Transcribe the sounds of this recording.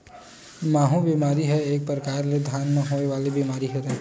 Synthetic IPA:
maːɦũbiːmaːɾiɦɛeːk̚pɾəkaːɾled̪ʱjaːnmẽɦoːeʋaːlebiːmaːɾiɦɛɾɛ

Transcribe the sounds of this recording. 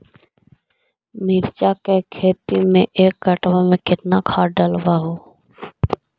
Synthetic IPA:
miːɾt͡ʃakekʰeːt̪imẽʔeːkːəʈʋomẽkɪt̪nakʰaːɖəlʋaɦoː

